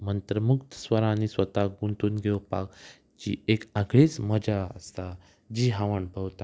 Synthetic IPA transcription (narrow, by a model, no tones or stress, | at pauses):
mənt̪ɾəmukt̪əsʋəɾãnisʋət̪aɡunt̪uːnɡʱewpa̰k | t͡ɕḭːekaɡɭit͡sməd͡ʑaəst̪a | d͡ʑiɦãʋəɳbʱəwt̪a